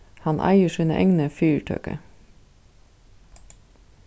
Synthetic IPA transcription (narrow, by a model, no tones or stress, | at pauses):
hɑnʔæ̰ɪəʃʉnə̰ʔɛŋnəfyːɹʈʰø̰ːkə̰